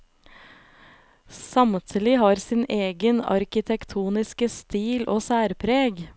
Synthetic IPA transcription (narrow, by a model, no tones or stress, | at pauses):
sɑmt̪ʰɪlɪhɑːɾsɪneːɡənɑ̰ɾkɪt̪ʰɛkt̪ʰuːnɪskəst̪iːlʔoːsæːɾpʰɾeːɡ